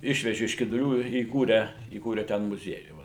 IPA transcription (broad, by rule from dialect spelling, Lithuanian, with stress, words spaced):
ˈɪʃʲʋʲɛʒʲɪ ɪʃ kʲɪdʊˈlʲuː ɪ iːˈkuːrʲæː iːˈkuːrʲɛ ˈtʲɛn mʊˈzʲiɛjuː ˈʋɐ